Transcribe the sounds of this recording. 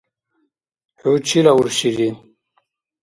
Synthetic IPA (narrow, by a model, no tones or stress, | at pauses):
hut͡ɕʰilauɾɕiɾin